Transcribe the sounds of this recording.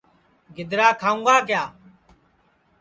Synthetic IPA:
ɡɪd̪ɾaːkʰaːũːɡaːkɪjaː

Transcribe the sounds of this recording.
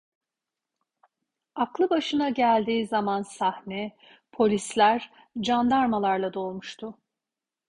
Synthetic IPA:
aklˠɯbaʃɯnaɟælʲd̪iːzamansahnɛ | pʰo̞lʲislʲæɾ | d͡ʒand̪aɾmalˠaɾlˠad̪o̞lˠmuʃt̪ʰʊ

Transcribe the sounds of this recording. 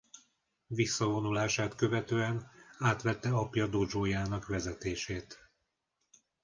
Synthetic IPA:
visːɒvo̞nulaːʃaːt̪kø̞vɛt̪øːɛnaːt̪ʋɛt̪ːɛɒpjɒd̪od͡ʒoːjaːnɒkʋɛzɛt̪eːʃeːt̪

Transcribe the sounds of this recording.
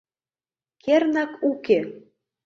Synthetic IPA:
kʰernɑkuke

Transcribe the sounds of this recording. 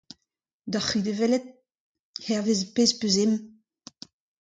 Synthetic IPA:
d̪aχid̪evɛlɛt̪̚ | hɛʁvezpeːzpøzem

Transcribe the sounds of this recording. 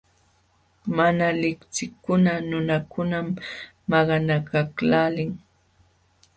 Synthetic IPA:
manalɪkt͡sɪkːʊnanʊnakʊnamː | ɑɢɑnakaklaːlɪŋ

